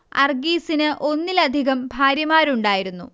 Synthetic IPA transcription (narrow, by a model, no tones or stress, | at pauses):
ɐ̰rɡiːsinɨʔo̞nːilɐd̪ʱiɣɐmbʱaːɾjɐmaːɾuɳɖaːjiɾunːṵ